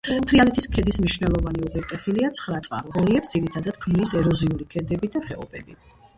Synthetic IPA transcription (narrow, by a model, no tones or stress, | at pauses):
mt̪ʰɾialɛt̪ʰiskʰɛd̪ismniʃnɛlˠɔvaniubɛɾt̪ʼɛχiliat̪sʰχɾat̪sʼqʼa̰ɾʁɔliɛpsd̪ziɾit̪ʰad̪ad̪̥̚kʰmnisɛɾɔziulikʰɛd̪ɛbid̪aχɛɔbɛbi